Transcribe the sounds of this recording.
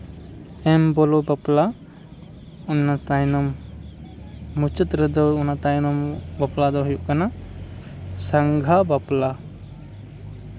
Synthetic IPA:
ɛmbɔlɔbapla | ɔnat̪ajnɔm | ut͡ʃət̪ɾəd̪ɔunat̪ajnɔmbaplad̪ɔɦujuʔkana | saŋɡʱabapla

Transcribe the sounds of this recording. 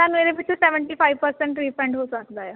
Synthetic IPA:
t̪anʋeɾepit͡ɕʰiseʋəɳʈiːfajʋpəɾseɳʈɾifeɳɖɦosəkd̪aja

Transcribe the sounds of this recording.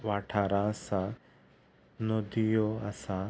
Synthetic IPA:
ʋaʈʰaːɾasa | nod̪ijoasa

